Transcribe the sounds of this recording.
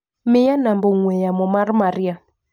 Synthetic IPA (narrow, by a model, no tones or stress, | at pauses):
mɪjanambɔŋwɛjamɔmaɾmaɾia